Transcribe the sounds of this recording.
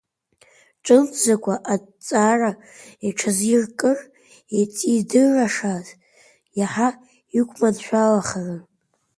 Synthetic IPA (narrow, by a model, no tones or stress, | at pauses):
ʈ͡ʂʼɨnt͡sʰʼzakʷʰaʔa | t͡sʼara | eʈ͡ʂʰazirkʼɨr | et͡sʼidɨrːaʂaːtʰʼ | jaħa | ikʷʰʼmadʃʷᶣalaχarɨ